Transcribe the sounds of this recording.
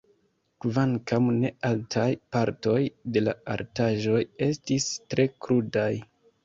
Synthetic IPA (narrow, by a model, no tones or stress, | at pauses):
kvaŋkamne̞altʰajpaɾto̞jde̞la̰a̰ɾtaʒo̞je̞stistɾe̞kɾudaj